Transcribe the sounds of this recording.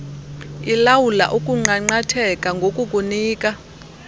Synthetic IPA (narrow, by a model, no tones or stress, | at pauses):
ilawula̰ʔukʼuŋ͡ǀaŋ͡ǀatʰɛkʼaŋɡʱokʼukʼuniːkʼa